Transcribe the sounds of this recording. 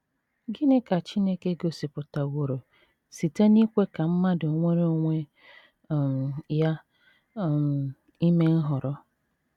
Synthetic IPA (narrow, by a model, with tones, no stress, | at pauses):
ɡi˦ne˦ka˨t͡ʃi˦ne˦ke˦ɡo˨si˨pʊ˨ta˨wo˨ɾo˨ | si˨te˦ni˦kʷe˦ka˨m̩˦ma˦dʊ˨o˨ŋʷe˦ɾe˦o˦ŋʷe˦˨ | m̩˨ja˦ | m˨ | i˦me˦n̩˦ɦʊ˨ɾɔ˦